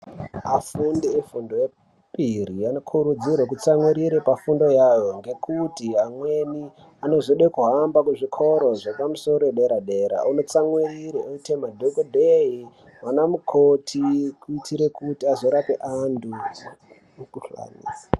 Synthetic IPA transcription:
afundiefundoje | piɾianokʰuɾud͡zirwak̬ut͡samwiɾiɾepafundo̞jajo̞ŋɡe̞kʰutiɦamwe̞ni | ano̞zoɗekuɦambakuʐikʰo̞ɾo̞ʐepamuso̞ɾoeɗe̞ɾaɗe̞ɾa̰uno̞t͡saŋwiriɾeoitemadʱokodʱeɦi | wanamukʰotʰikuitʰiɾe̞kutiazo̞ɾape̞ʔandu | ukuɬa̰nḭːsa

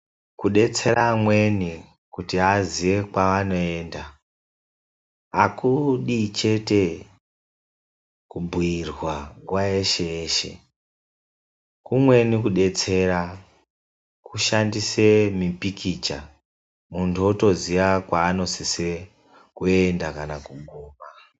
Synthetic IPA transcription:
kuɗe̞t͡se̞ɾamwe̞ni | kutiaziʋe̞kwaʋano̞e̞ːnda | kuɗit͡ʃe̞te̞ | kubʱuirwakwaeʃe̞eːʃḛ | kumwe̞nikuɗe̞t͡se̞ɾa | kuʃandise̞mipikit͡ʃa | muntʰuuto̞ziʋakwaːno̞sise | kue̞ndakanakuɡʱuːma

